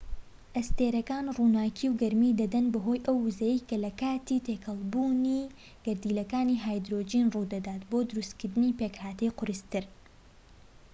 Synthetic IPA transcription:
ʔɐst̪eːɾɐkaːnruːnaːkʰiwɡɐɾmid̪ɐd̪ɐnbɐɦo̞ːjʔɐwːuzɛjejkɐlɐkaːt̪it̪ʰeːkʰɐlˠbuːni | ɡ̥ɐɾd̪iːlɐkaːniːɦaːjd̪ɾod͡ʒinrud̪ɐd̪aːt̪boːd̪ʊɾust̪kɨɾd̪ɨniːpekhaːt̪ɐjqʰʊɾɨst̪ɨɾ

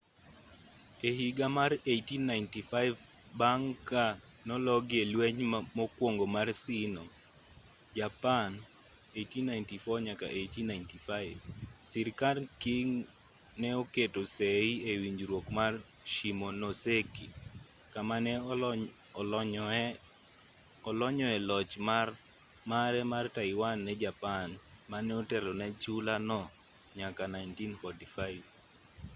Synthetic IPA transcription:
eɦiɡamarejtinːajntifaɪv | baŋka | nɔlɔɡɪelwɛɲmokwoŋɡomarsinɔ | d͡ʒapan | ejtinːajntifɔɲaka̰ʔejtinajntifaɪvsɪɾkalkiŋ | nɛoketoseiewiɲd͡ʒɾwokmar | ʃimonoseki | kamanɛ | ɔlɔɲɔɛlɔt͡ʃmar | maɾɛmartaɪwanːɛd͡ʒapanmanɛɔtɛlɔnɛt͡ʃulanɔ | ɲakanaɪntinfɔtifaɪv

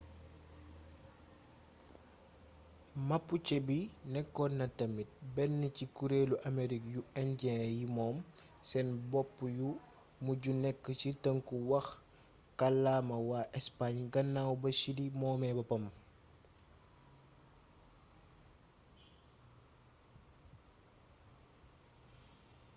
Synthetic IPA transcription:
mɐpːut͡ʃɛbinɛkːɔnɐtɐmit̚bɛnːəcikuɾeːluʔameɾikjuɛɲɟɛ̃jimɔːm | sɛnbɔpːju | muɟunɛkːəcitɐŋkuwɐx | kɐlːamɐwaːʔɛspaɲɡɐnːawbɐsilimɔːmɛbɐpɐm

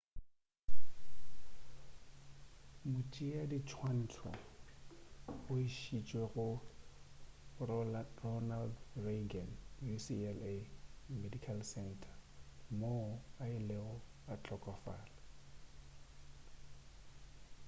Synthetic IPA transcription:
mʊt͡ʃʼijadit͡ʃʰwan̩ːtʰɔ̰ | ʊiʃit͡ʃʼweɣʊ | rɔnaldreɡanjusiɛlemedikʰalsɛntʰʼḁmoaɪlɛɔ | at͡ɬʼɔkʼɔfa̰ːla

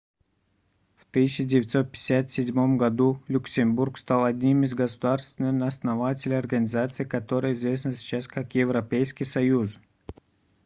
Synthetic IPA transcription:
ft̪ɨɕːɪdʲɪvʲɪt̪so̞t̪̚pʲɪ̥sʲat̪sʲɪdʲmo̞mɡɐd̪ulʲʊksʲɪmburkst̪alˠɐdʲnʲimɪzɡəsʊd̪arst̪vʲɪnɨnɐsnɐvatʲɪlʲɪjɐrɡənʲɪzat̪sɨjkɐt̪o̞ɾɨjəɪzvʲesnəsʲɪ̥t͡ɕaskakjɪvɾɐpʲejskʲijsɐjus

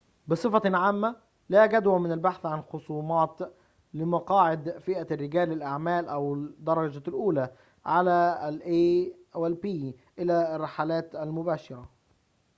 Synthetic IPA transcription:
bɨsˤɨfɑʕaːmːæ | læɡæd̪wæmɪnælbaħθʕanxosˤuːmɑːt̪ | lɪmɑqɑːʕɪd̪fɪʔærːɪɡæːlːɪlʔaʕmæːlʔæwd̪ːɑɾˤːɑd͡ʒalʔuːlæ | ʕalælʔeː | wɪlbiː | ʔɪlærˤːɑħalæːt̪ælmʊbæːʃɪɾˤɑ

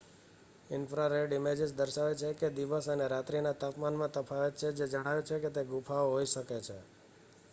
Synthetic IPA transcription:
ɪnfɾaɾeɖɪmed͡ʒɪsd̪əɾʃaʋet͡ʃʰeked̪iʋəsəneɾat̪ɾinat̪apmanmãt̪əpʰaʋet̪t͡ʃʰed͡ʒed͡ʒəɽ̃aʋet͡ʃʰeket̪eɡupʰaʋoɦoiʃəket͡ʃʰe

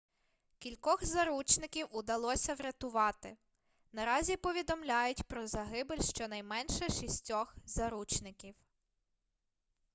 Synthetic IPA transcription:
kʲilʲkɔxzɐɾut͡ʃnɪkʲiwʊd̪ɐlˠɔsʲɐʋɾʲɐt̪ʊʋɑt̪ɪ | nɐɾɑzʲipɔʋʲid̪ɔmlʲajʊtʲpɾɔzɐɦɪbɪlʲʃt͡ʃɔnɐjmɛnʃɛʃisʲtʲɔxzɐɾut͡ʃnɪkʲiw

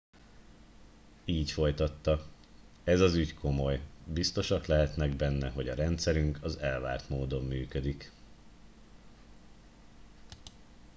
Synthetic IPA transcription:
iːcfo̞jt̪ɒt̪ːɒ | ɛzɒzyckʰo̞mo̞jbist̪o̞ʃɒklɛɦɛt̪nɛɡbɛnːɛɦo̞ɟɒɾɛnt̪sɛɾyŋkɒzɛlva̰ːrt̪moːd̪o̞mːyːkø̞d̪ik

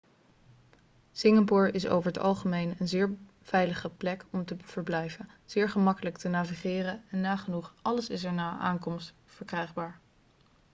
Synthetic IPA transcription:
sɪŋapʊːɹɪso̰wvəɹɦətɑ̰lˠχəmejnənzɪːɹ | v̥ɛjləχəplɛkɔmtəv̥əɹblɛjvə | z̥ɪːɹχəmɑkələktənaːviχɪːrənɛnːaːχənuχʔɑləsɪs̬ɛɹnaːʔa̰ːŋkɔmst | fəɹkrɛjχbaːɹ

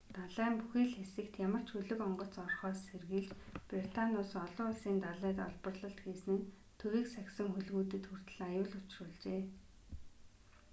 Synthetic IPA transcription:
t̪aɮæːmpuxiːɮxesɘ̆kt̪jamə̆r̥t͡ɕʰɵɮɵ̆kɔɴɢɞ̆t͡sɔrχɔːsːerɣiːɮt͡ɕprit̪anʲʊːsɔɮʊːɮsiːnt̪aɮæːt̪ɔ̰ɮpɞ̆rɮə̆ɬt̪ɡeːsɘ̆n | t̪ʰɵɣiːksæksə̆ŋxɵɮɣuːt̪ɘ̆t̪xur̥t̪̆ɮajʊːɮʊt͡ɕrʊːɮt͡ɕeː

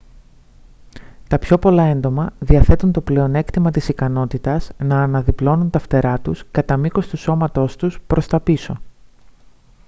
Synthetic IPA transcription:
t̪ɐpço̞po̞lɐe̞nd̪o̞mɐðiɐθe̞t̪unt̪o̞ple̞o̞ne̞kt̪imɐt̪isikɐno̞t̪it̪ɐznɐːnɐðiplo̞nunt̪ɐft̪e̞ɾɐt̪uskɐt̪ɐmiko̞st̪uso̞mɐt̪o̞st̪uspɾʔo̞st̪ɐpiso̞

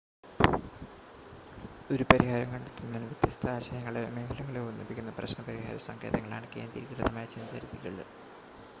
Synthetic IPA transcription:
o̞ɾupɐɾiɦaːɾɐŋkɐɳɖut̪ːinːɐnʋjet̪jɐst̪ʰɐaːɕɐjɐŋːɐɭemeːhɐlɐŋːɐɭeunːipːikʲːunːɐprɐ̰ɕnɐpɐɾiɦa̰ːɾɐ̰sɐŋkʰeːðɐŋːɐɭa̰ːɳɨkej̰nt̪iɾikrɨðɐmaːjɐt͡ɕːenːɐpɐ̰ɾiðiɣɐɭ

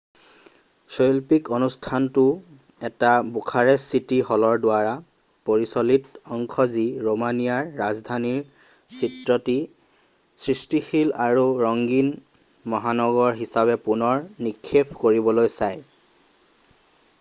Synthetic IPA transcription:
sojlpikonustʰantʊ | ɛtabukʰaɹɛsitiɦɔlɔɹdʊaɹa | poɹisɔlitɔŋkʰɔziɹomanijaɹːazdʱaniɹ | sitɹɔti | sɹistixilaɹuɹɔŋɡin | mɔɦanɔɡɔɹɦisabɛpunɔɹnikʰːepʰkoɹibɔlojsaj

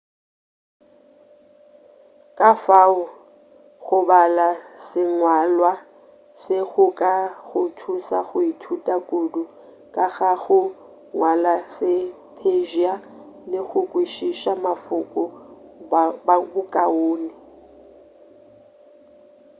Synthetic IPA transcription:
kʼafaʊ | ɣʊbalasɪŋwalwa | sɪɣʊkʼaɣʊtʰusaɣʊitʰutʼakʼodʊ | kʼaɣaɣʊ | ŋwalasɪ | pʰeʒia | lɪɣʊkʼwiʃiʃamafʊkʼɔ | bbʊkʼaoːnɪ

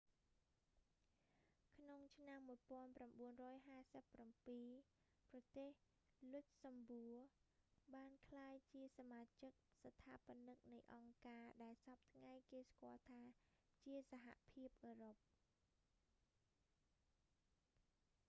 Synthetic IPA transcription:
kʰnoŋt͡ɕʰnamːuəjpŏənpramɓuənrɔːjɦaːsəpːrampiː | prɑt̪eːh | lʊc̚sɑmbuəɓaːnkʰlaːjt͡ɕiəsamaːt͡ɕɨk̚sat̪ʰaːpə̆nɨk̚nɨjʔɑŋkaːɗaɛlsɑp̚t̪ʰŋajkeːskŏəlt̪ʰaː | t͡ɕiəsaɦa̰ʔpʰiəp̚ʔəːrop̚

